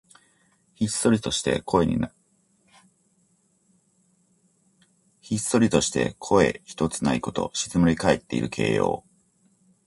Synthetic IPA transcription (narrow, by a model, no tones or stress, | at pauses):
çist̪o̞ɾʲit̪o̞ɕi̥t̪e̞̰kʰo̞e̞ɲ̟ḭn | çist̪o̞ɾʲit̪o̞ɕi̥t̪e̞̰kʰo̞e̞çi̥t̪o̞t͡sɨnaiko̞t̪o̞̰ɕi̥t͡sɨmoɾʲikae̞t̪ːe̞ḭɾɯ̟kʰe̞̰ːjo̰ː